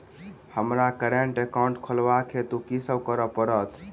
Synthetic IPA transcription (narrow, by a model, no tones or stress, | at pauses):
həmɾakəɾeɳʈekaʊ̃ɳʈkʰəlʋakʰet̪ukisəbkəɾəpəɾət̪ʰ